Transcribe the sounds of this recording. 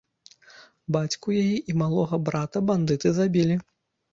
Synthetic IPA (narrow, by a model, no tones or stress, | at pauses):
bat͡sʲkujajiʔimalˠɔɣɐbɾat̪ɐband̪ɨt̪ɨzabʲilʲi